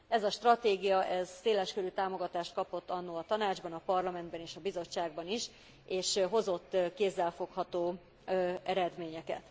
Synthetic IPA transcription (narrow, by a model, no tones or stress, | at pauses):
ɛzɒʃt̪rɒt̪eːɡijɒʔɛzseːlɛʃkøɾyt̪aːmo̞ɡɒt̪aːʃt̪̚kɒpo̞t̪ːɒnːolɒt̪ɒnaːd͡ʒbɒnɒpɒrlɒmɛnd̪bɛneːʃɒbizo̞t͡ʃːaːɡ̚bɒniʃ | eːʃɦo̞zo̞t̪ːkeːzːɛlfo̞khɒt̪oː | ɛɾɛd̪meːɲɛkɛ̰t̪